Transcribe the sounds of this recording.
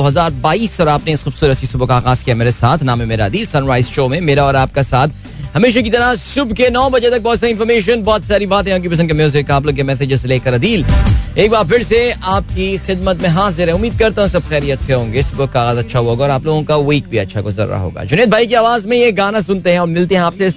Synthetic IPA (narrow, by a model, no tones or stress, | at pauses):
oːɦɐzaːɾbaːiːsɔːɾaːpneɪsxʊbsuːɾɐsisʊbokaaːɣaːzkijameːɾesaːt̪ʰnãːmɦẽmeːɾaɐd̪iːlsɐ̃nɾaːɪzʃoːmẽmeːɾaɔːɾaːp̚kasaːt̪ʰ | hɐmeːʃ̬akit̪ɐɾasʊbkenɔːbɐd͡ʒet̪ɐk̚bɔːt̪saɪ̃nfɔɾmeːʃ̬ənbɔːt̪saːɾibaːt̪ɦɛ̃aːp̚kipɐs̬ə̃nd̪kɐmeoz̬ekaaːp̬loːɡõkemɛːsed͡ʒɪzsleːkɐɾɐd̪iːleːk̚baːɾpʰɪɾseaːp̚kixɪd̪̚mət̪mẽɦaːzɪɾɦɛ̃ʊmːiːd̪̚kɐɾt̪eɦɛ̃sɐb̚xɛːɾiɐt̪ːʃʰeɦõːŋɡesʊbokːaːɣaːzɐtːʃʰaɦuoːɡaɔːɾaːploːɡõkawiːk̚bʱiɐtːʃʰaɡʊzə̰ɾːa̰ɦo̰ːɡa̰ːd͡ʒʊneːd̪̚bʱaːik̬iaːʋaːzmẽjeɡaːnasʊnt̪eɦɛ̃ɔːɾmɪlt̪eɦɛ̃aːpseɪs